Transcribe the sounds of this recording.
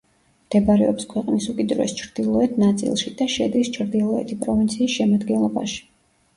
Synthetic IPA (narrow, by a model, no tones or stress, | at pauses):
md̪̥ɛbaɾɛɔpskʰwɛqʼnisukʼid̪ɾuɛ̰st͡ʃʰɾd̪̥ilˠɔɛt̪ʰnat̪sʼḭlˠʃid̪̥aʃɛd̪ist͡ʃʰɾd̪ilˠɔɛ̰t̪ʰipʼɾɔvint̪sʰiːsʃɛmad̪ɡɛnlˠɔba̰ʃi̥